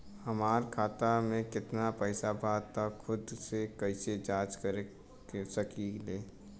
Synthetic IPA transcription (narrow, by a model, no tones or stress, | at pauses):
hɐmaːɾkʰaːt̪amẽkɪt̪napəɪsabʱaːt̪akʰʊd̪sekəɪsed͡ʒaːt͡ʃkəɾe | səkileː